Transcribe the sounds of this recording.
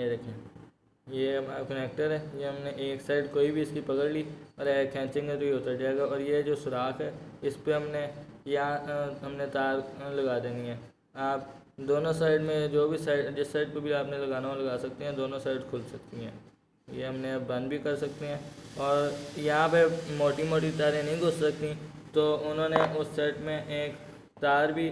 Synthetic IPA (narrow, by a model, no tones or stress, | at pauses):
d̪eːkʰe | jeɦɐmaːɾakəneːk̚ʈəɾɦɛːjeɦɐmneʔeːksaːɪɖkoːibʱiɪskipɐkəɽliːɔːɾɛːkʰɛ̃ːt͡ʃɪ̃ŋɡẽd͡ʒoiɦoːt̪əɖiaɡaɔːɾjed͡ʒoːsʊɾaːkɦɛːɪspeɦɐmnejɐɦãɦɐmnet̪aːɾlɐɡaːd̪eːniɦɛ̃ː | aːp | d̪oːnõsaːɪɖmẽd͡ʒoːbʱisaːɪɖd͡ʒɪsːaːɪɖ̚pebʱiaːpnelɐɡaːneẽlɐɡaːsɐk̚t̪iɦɛ̃d̪oːnõsaːɪɖkʰʊlsɐk̚t̪iɦɛ̃ː | jeɦɐmnebɐ̃nd̪bʱikɐɾsɐk̚t̪iɦɛ̃ːɔːɾjɐɦãpemoːʈimoːʈ̬it̪aːɾẽnɐɦĩɡʱʊssɐk̚t̪it̪oːʊnɦõːneʔʊsːeːʈmẽʔeːk | t̪aːɾbʱi